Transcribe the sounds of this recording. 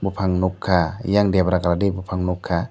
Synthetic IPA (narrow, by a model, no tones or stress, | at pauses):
bupʰaŋnukʰːajaŋdiəpɾakaladibupʰaŋnukʰːa